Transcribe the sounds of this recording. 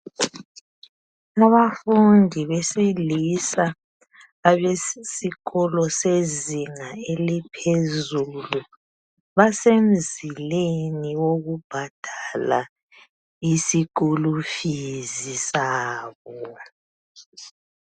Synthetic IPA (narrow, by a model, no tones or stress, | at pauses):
aβafundʱiβesilisaː | βesiɣɔlɔseziŋaelipʰezulu | βasem̩zileniwoɣub̥ʱad̥ʱala | isikulufizisaːβɔ